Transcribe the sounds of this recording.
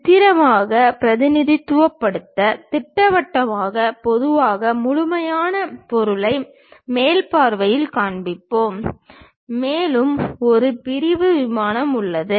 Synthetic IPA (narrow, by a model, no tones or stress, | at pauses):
t̪ːɪɾɐmaːɣɐpɪɾɐðɪnɪðit̪ːʊʋɐpːɐɽɯt̪ːɐt̪ɪʈːɐʋɐʈːɐmaːɣɐpɔðɯʋaːɣɐmʊɻʊmɐjaːnɐpɔɾɯlɐɪ | meːlpaːɾʋɐjɪlkaːɳbɪpːoːmː | eːlɯmɔɾɯpɪɾɪʋɯʋɪmaːnɐmʊɭːɐðɯ